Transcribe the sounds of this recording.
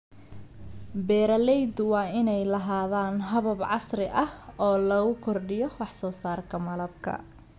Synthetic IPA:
bɛːɾɐlɛjd̪ʊwɑːɪnɛjlɐɦaːðaːnɦɐβɐbʕɑsrɪʔɐhɔːlɐɣʊkʰɔrɖɪjɔwɑħsɔːsaːrkʰɐmɐlɐb̚kʰɐ̰

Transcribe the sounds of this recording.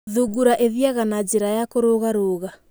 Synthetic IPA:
ðuɡuɾaʔeðiaɣanad͡ʒeɾajakoɾoɣaɾoːɣa

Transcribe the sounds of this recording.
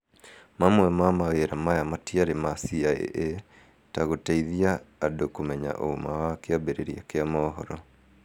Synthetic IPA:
mamwɛmamaweɾamajamatiaɾemasiaḛʔe | taɣotaiðiaːdokomɛɲa̰ʔo̰omawakeabeɾeɾiakeamɔːɦɔɾɔ

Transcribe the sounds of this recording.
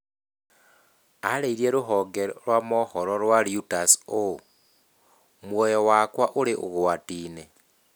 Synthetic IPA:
a̰leiɾjeɾuɦoɡeɾolwamohoɾolwaɾiutaso | mwojowakwaʔuɾeʔo̰ɣuwatiːne

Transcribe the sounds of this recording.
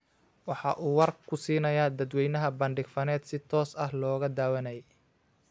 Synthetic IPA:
wɑħɑʔuːwɐrkʰʊsiːnɐjaːd̪ɐd̪wɛjnɐɦɐbɐɳɖɪɡfɐnɛːd̪sɪt̪ʰɔːsɐhlɔːɣɐd̪aːwɐnɐjɛ

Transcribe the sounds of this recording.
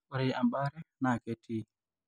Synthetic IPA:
ɔɾɛjʔambaɾɛnaketʰːi

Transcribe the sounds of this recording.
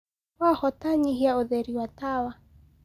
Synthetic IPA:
wahɔtaɲiɦijauðɛɾiwatawa

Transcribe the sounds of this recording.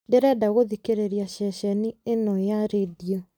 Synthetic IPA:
deɾɛdaɣoðikeɾeɾiaɕɛɕɛnienɔjaɾedia

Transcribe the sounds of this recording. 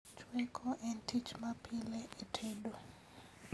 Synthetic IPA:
t͡ʃwekʰoʔɛntʰit͡ʃmapʰileʔetʰedo

